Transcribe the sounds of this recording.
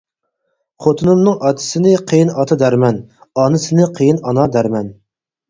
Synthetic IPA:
χʰot̪ʰɨnɨmnɨŋɑt̪ʰɪ̥sɪnɪqʰejɪnɑt̪ʰɑd̪æɾmɛn | ɑnɨsɪnɪqʰejinɑnɑd̪æɾmɛn

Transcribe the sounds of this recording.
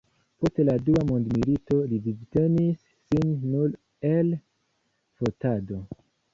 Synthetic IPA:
po̞steladuamo̞ndmilito̞livizte̞nisːinːul | e̞l | fo̞tado̞

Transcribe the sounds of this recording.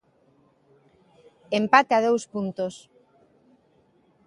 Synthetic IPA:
empat̪eað̞owspunt̪os

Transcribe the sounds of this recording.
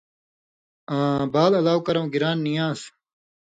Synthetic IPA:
ãːbaːlɐlaːwkɐɾɐ̃w̃ɡiɾaːnːijãːs

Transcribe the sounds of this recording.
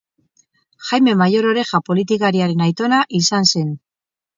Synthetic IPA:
xajme̞majo̞ɾo̞ɾe̞xapo̞lit̪ikaɾiaɾe̞najt̪o̞naʔisanse̞n

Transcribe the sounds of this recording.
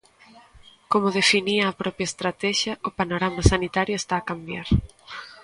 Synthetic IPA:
komʊðefiniɐːpɾɔpjaest̪ɾat̪ɛʃjɐʊpanoɾamɐsanit̪aɾjoest̪aːkambjaɾ

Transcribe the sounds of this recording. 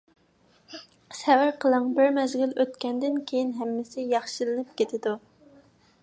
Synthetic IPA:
sɛwæɾqʰəlˠɨŋbɪɾmɛzɡʲɪløt̪kʲʰɛnd̪ɪnkʲʰejinɦɛmːɪsɪjɑχʃilɨnɨp̚kʲet̪ʰɪd̪u

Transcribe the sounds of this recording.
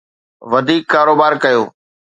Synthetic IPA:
ʋɐd̪ʱiːkːaːɾoːbaːɾkɐjoː

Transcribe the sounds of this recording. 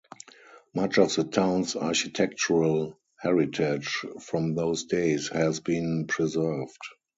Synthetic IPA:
mat͡ʃɔfðətʰãʊ̃nsaʃitʰɛk̚t͡ʃuɹal | hɛɹɪtʰɪd͡ʒfɹɔ̃mðoʊsdeɪshɛzbĩnpʰɹizɜ˞vd

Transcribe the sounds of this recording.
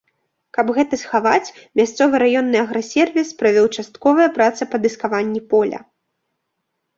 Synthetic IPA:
kɐbɣɛt̪ɐsxavat͡sʲmʲast̪sɔvɨɾajɔnːɨɐɣɾɐsʲɛrvʲispɾɐvʲɔwt͡ʂast̪kɔvɐjɐpɾat̪sɐpɐd̪ɨskavanʲːipɔlʲɐ̰

